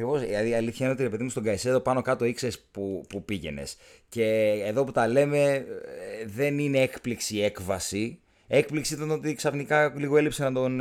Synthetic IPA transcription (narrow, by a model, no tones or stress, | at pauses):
ɐkɾivo̞siɐðiɐliθçɐineot̪iɾepe̞ðimust̪o̞ɡɐiseðo̞pɐno̞kɐt̪o̞iksespupupiʝe̞̰ne̞̰s | ce̞ːðo̞put̪ɐle̞me̞ | ðe̞nine̞ekpliksie̞kvɐsi | e̞kpliksiit̪ɐno̞t̪iksɐfnikɐliɣo̞e̞lipsenɐd̪o̞n